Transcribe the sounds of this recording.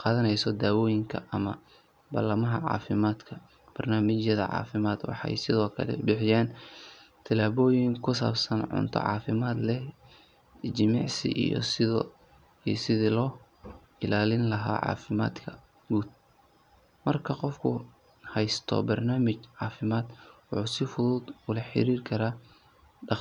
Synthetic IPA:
qɑːðɐnɛjsɔd̪aːwɔːjɪŋkʰɐʔɐmɐ | bɐlɐmɐɦɐ̰ʕɑ̰ːfɪmaːd̪kʰɐ | b̥ɐrnaːmɪt͡ʃjɐðɐ̰ʕɑ̰ːfɪmaːd̪wɑ̰ħɑ̰jsɪðɔːkʰɐ̰lɛ̰bɪħɪjaːn | t̪ʰɐlaːβɔːjɪŋkʰʊs̬a̰ːbsɐnʕʊ̰nt̪ʰɔ̰ʕɑ̰ːfɪmaːd̪lɛh | t͡ʃɪmɪʕsɪ̰ʔijɔ̰s | isɪðilɔː | ɪlaːlɪnlɐɦa̰ːʕɑ̰ːfɪma̰ːd̪kʰɐ | ɡuːd̪̚ | mɐrkʰɐqɔfkʰʊ | hɛjst̪ʰɔ̰bɐrnaːmɪt͡ʃʕɑːfɪmaːd̪wɑħuːsɪfʊðuːd̪ʊlɐħɪ̰ɾiːrkʰɐɾaː | ɖɑ

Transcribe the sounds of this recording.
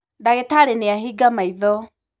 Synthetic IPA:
daɣetaɾeneaɦiɡamaiðɔ

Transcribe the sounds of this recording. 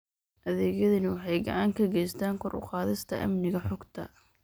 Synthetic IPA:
ʔɐðɛːɣjɐðɐnɪwɑħɑjɡɑ̰ʕɑŋkʰɐɡɛjst̪ʰaːŋkʰɔrʊ̰qɑːðɪst̪ʰɐ̰ʔɐ̰mnɪɣɐħɔɡt̪ʰɐ̰

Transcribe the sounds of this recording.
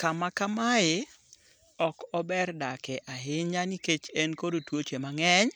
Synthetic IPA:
kamakamaɪ | ɔkɔbɛrdakɛʔaɦɪɲaniket͡ʃenkodotwot͡ʃemaŋɛɲ

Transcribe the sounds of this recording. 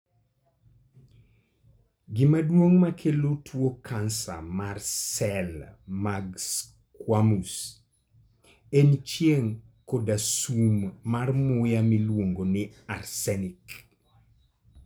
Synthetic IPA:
ɡɪmadwoŋmakʰelotʰwokʰansa̰marsɛlmaɡs | kwamus | ent͡ʃjeŋ | kodasumːarmʊjamilwoŋɡonɪarsɛnɪk

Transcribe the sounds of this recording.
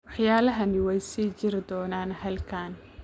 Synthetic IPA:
wɑħjaːlɐɦɐnɪwɛjsiːt͡ʃɪɾɪd̪ɔːnaːnhɐlkʰaːn

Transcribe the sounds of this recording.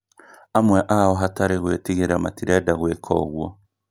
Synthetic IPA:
amweʔahoɦataɾiɣwetiɣiɾama̰tiɾedaɣwekʰo̰ɣwo

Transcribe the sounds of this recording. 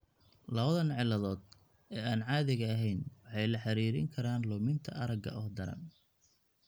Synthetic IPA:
lɐβɐðɐnʕɪlːɐðɔːd̪̚ | ɛːaːnʕɑːðɪɣɐːɦɛjnwɑħɑjlɐħɑɾiːɾɪ̰ŋkʰɐɾaːnlʊmɪnt̪ʰɐ̰ɐɾɐɡɐ̰ʔɔhd̪ɐɾɐ̰n

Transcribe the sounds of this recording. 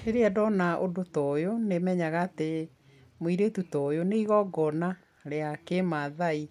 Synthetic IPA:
eɾeɛdɔnaʔodotɔjonemɛɲaɣaːte | moiɾetutɔjoneiɣɔɡɔna | ɾeakemaðai

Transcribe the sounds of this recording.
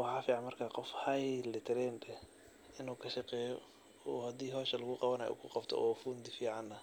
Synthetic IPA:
wɑħɑːfiːʕɑnmɐrkʰaqɔfhɐjlɛt̪ʰɪɾɛːnd̪ɛ | ɪnuːkʰɐʃɑqɛːjɔ | uːhɐd̪iːɦɔːʃɐlɐɣʊqɑβɐnɐ̰jṵːkʰʊqɑbt̪ʰɔ̰ʔɔːfuːnd̪ɪfiːʕɑnɐ

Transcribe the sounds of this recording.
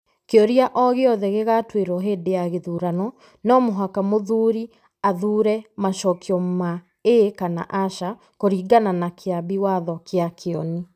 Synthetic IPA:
keɔɾiaʔɔɣeɔðɛɣeɣatweɾɔɦeːdejaɣeðuːɾanɔ | nɔmoɦakamoðuːɾi | aðuːɾɛmaʃɔkiɔma | ekana̰ʔaʃa | koɾiːɡananakʰeabiwaðɔkʰeakʰeɔni

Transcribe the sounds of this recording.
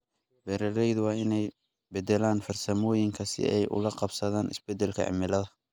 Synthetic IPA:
bɛɾɐɾɛjðʊwɑːɪnɛj | bɛd̪ɛlaːnfɐrsɐmɔːjɪŋkʰɐsɪ̰ɛjʔʊ̰lɐqɑbsɐðaːnʔɪ̰sbɛd̪ɛlkʰɐ̰ʕɪ̰mɪlɐðɐ

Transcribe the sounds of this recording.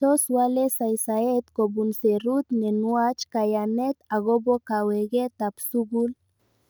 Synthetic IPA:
osualesajsaet̪kobunseɾut̪nenuat͡ʃkajamet̪aɣobokaweɣet̪apsuɣul

